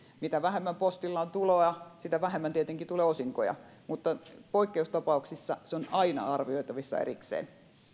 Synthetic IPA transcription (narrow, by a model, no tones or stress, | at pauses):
mit̪æʋæhemːæmpost̪ilːɑːnt̪uloːjɑsit̪æʋæhemːænt̪iet̪eŋkit̪uleːosiŋkojɑ̰ | mut̪ːɑpoikːeust̪ɑpɑuksisːɑseonɑinɑ̰ɑrʋioit̪ɑʋisːɑ̰ḛriksḛːn